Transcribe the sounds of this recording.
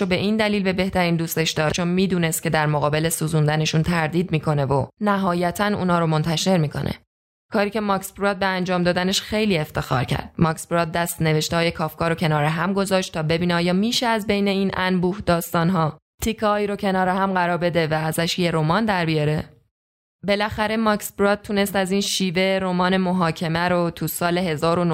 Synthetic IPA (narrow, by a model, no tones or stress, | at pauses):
obe̞ʔiːnd̪æliːlbe̞be̞ht̪æɾiːnd̪uːst̪e̞ʃd̪ɒːt͡ʃʰonmiːd̪uːnest̪̚cʰe̞d̪æɾmoɣɒːbe̞le̞suːzund̪æne̞ʃunt̪ʰæɾd̪iːd̪miːkʰo̞ne̞vonæɦɒːjæt̪ʰænṵːnɒːɾo̞mo̞nt̪ʰæʃe̞ɾmiːkʰo̞̰nʔḛ | kʰɒːɾiːce̞mɒkspɾɒːd̪̚be̞ænd͡ʒɒːmd̪ɒːd̪æne̞ʃxe̞jliːe̞ft̪e̞xɒ̰ːɾcʰæ̰ɾd̪̥̚mɒkspɾɒːd̪̚dːæst̪ne̞ve̞ʃt̪eɒːjɒkʰɒːfkʰɒːɾocʰe̞nɒːɾeɦæmɡo̞zɒːʃt̪t̪ʰɒːbe̞biːneɒːjɒːmiːʃeæzbe̞jne̞iːnʔænbuːhd̪ɒːst̪ɒːnɦɒːt̪ʰikʰːɒhɒːiːɾo̞cʰe̞nɒːɾeɦæmɢæɾɒːɾbe̞d̪e̞væːzæʃje̞ɾomɒnd̪æɾbijɒɾe | be̞læxæɾe̞mɒksbɾɒt̪̚t̪ʰune̞st̪æziːnʃiːve̞ɾomɒːne̞moɦɒːcʰe̞mæɾot̪ʰusɒːle̞ɦe̞zɒːɾo̞no